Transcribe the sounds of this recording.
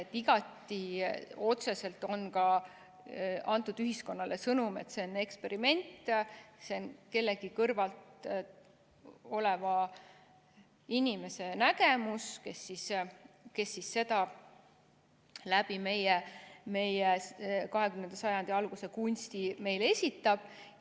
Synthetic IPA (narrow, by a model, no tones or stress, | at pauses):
et̪ːˑiɡ̥ɑt̪ːˑio̞t̪se̞se̞lt̪o̞nkɑ | ɑnt̪ˑud̪yɦisko̞nːɑlesɤnume̞̰t̪se̞one̞kspe̞ɾime̞nʲt̪ˑːseonke̞lːe̞ɡikɤrvɑlt̪ | o̞levɑ | inʲime̞se̞nækemuske̞sːiske̞sːisːe̞t̪ɑ | læb̥ime̞jeme̞jekɑɦe̞kymnend̪̥ɑsɑjɑnd̪̥iɑlɡ̥use̞kunʲst̪ime̞jle̞sʲit̪ːˑɑb̥